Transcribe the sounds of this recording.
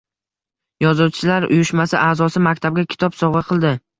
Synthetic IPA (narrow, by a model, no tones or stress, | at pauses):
jɒzʊwt͡ʃʰɪlaɾʊ̰jʊʃmasɪʔaːzɒsɪmak̚ʲt̪ʰab̚ɡʲakʲʰɪ̥t̪ʰɒpsɒʁɑqʰɨlˠd̪ɪ